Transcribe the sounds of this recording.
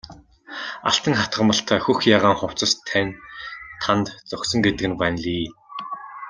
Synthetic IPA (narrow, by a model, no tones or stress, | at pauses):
a̰ɬt̪ə̆ŋχat̪ɢə̆mə̆ɬt̪ʰæːxuxjaːʁaːŋχʊw̥t͡sə̆st̪ʰænt̪ʰːant̪t͡sʊksɞ̆ŋɡet̪ɘ̆ɡɘ̆npanɮiː